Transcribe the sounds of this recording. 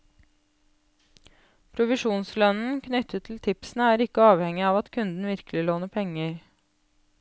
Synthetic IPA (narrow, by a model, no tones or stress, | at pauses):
pʰɾʊʋɪʃuːnslœnn̩kʰnʏt̪ət̪ʰl̩t̪ʰɪpsn̩əæːɾɪkəɑːʋhɛŋɪɑːʋɑt̪kʰʉnd̪n̩ʋɪɾklɪloːnəpʰɛŋəɾ